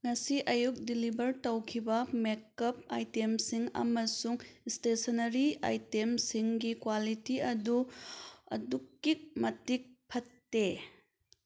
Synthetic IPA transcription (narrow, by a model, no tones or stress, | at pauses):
ŋɐsiʔɐjuk̚dilibʱɐɾtɐwkʰibɐmekːɐp̚a̰jtemsiŋɐ̰mɐsuŋstesɐnɐɾia̰jtemsiŋɡikwalitiɐdu | ɐ̰dukːik̚mɐtik̚pʰɐtːe